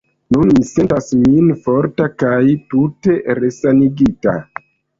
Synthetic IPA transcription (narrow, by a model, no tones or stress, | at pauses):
nunmise̞ntasminfo̞ɾtakajtute̞ɾe̞saniɡita̰